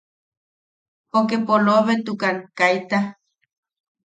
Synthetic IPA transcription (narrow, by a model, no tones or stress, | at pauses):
okepoloβet̪ukaŋkajt̪a